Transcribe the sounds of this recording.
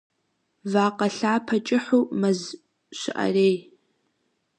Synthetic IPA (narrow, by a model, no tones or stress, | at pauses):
vaːqɐɬaːpʰɐt͡ʃʼɪħuːmɐz | ʃɪʔɐ̰reːj